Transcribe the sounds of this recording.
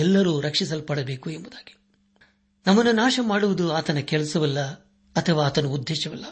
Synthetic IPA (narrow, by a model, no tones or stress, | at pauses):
ɛlːɐɾuːɾɐkʂisɐlpɐɽɐbe̞ːkuembud̪aːɡi̥ | nɐmːɐnːunaːʂɐmaːɽuʋud̪uaːt̪ɐnɐkɛɭsɐʋɐlːɐ | ɐt̪ʰɐʋaːt̪ɐnuːd̪ʱːeːʃɐʋɐlːɐ